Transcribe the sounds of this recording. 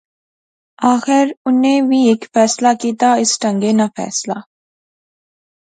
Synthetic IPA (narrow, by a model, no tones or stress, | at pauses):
aːxɪɾʊnẽːʋiːeːkfɛːslaːkiːt̪aːɪsʈə̃ŋɡeːnafʰɛ̰ːslaː